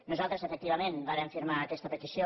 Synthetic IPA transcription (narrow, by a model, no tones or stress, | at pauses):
nuzalˠt̪ɾəzəfək̚t̪iβəmenbəɾɛmfiɾmaəkɛst̪əpət̪isio